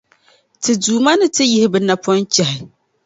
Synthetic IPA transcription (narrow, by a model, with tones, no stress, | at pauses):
tɨ˨duː˨ma˦nɨ˦tɨ˦jɪ˦hɪ˨bɨ˨na˨pʰɔ˦nt͡ʃɛ˨hɪ˨